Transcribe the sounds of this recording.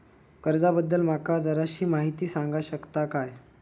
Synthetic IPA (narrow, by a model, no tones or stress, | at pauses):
kəɾd͡zabəd̪ːəlm̤akad͡zəɾaɕiːmaɦit̪iːsaŋɡaɕəkt̪akaj